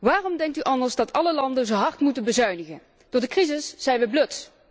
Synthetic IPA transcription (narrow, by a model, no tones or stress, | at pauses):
ʋaːrɔmdɛŋk̚tyʔɑndəɹzdɑtɑləlɑndənzowɦɑɹtmutənbəzœɥnəɣən | d̥ʊɹdəkrizɪsːɛjnʋəbløt